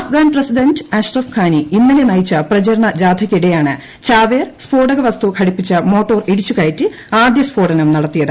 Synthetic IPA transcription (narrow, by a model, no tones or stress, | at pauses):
ɐfɡaːnprɐsidɐndɨaːʂrɐfkʰaːniinːɐnenɐjit͡ɕːɐprɐt͡ɕɐɾɐɳɐd͡ʑaːd̪ʱʰɐkʲːiɽejaːɳɨ | t͡ɕaːʋeːrspoːɖɐɣɐʋɐst̪ukʰɐɽipːit͡ɕːɐmo̞ːʈːo̞ːreɽit͡ɕːukaːjitːɨ | aːd̪jɐspoːɽɐnɐmnɐɽɐt̪ːijɐðɨ